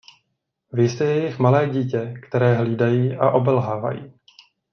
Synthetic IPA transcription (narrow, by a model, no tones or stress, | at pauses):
vɪst̪ɛjɛjɪxmalɛːɟiːcɛkt̪ɛɾɛːɦliːdajiːʔaʔo̞bɛlɦaːva̰jḭː